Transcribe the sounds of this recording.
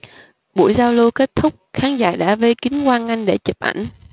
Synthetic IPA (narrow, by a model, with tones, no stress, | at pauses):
ɓṵ˧˥jzaː˧wlo˧ke˦˥t̚t̪ʰʊ˦˥k͡p̚xaː˨˦nza̰ː˧˩ɗa̰ː˧˥ve˧kï˨˦ŋ̟kwaː˧nŋa˧jŋɗe˧˩t͡ɕə˨˩p̚ʔa̰˧˩jŋ̟